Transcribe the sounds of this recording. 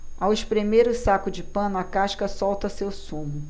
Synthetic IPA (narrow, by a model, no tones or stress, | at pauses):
awɪʃpɾemeɾʊsakʊd͡ʒɪpɐ̃nʊɐkaʃkɐsɔwt̪ɐsewsũmʊ